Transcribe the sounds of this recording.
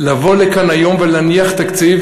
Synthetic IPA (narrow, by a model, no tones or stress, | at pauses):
lavo̞lekanajo̞mvelaniaχt̪akt͡siv